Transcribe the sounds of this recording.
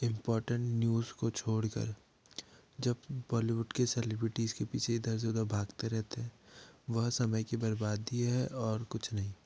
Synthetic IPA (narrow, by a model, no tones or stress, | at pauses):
ɪ̃mpɔːɾʈə̃ɳʈnjuːzkot͡ʃʰoːɽkə̰ɾ | d͡ʒɐbbɔːliʋʊɖkeselɪbɾɪʈizkepiːt͡ʃʰeɪd̪əɾs̬eʊd̪əbʱaːɡt̪eɾɛɦt̪eɦɛ̃ʋɐɦsɐməjkebɐɾbaːd̪ːieɦɛʔɔːɾkʊt͡ʃʰnɐɦĩː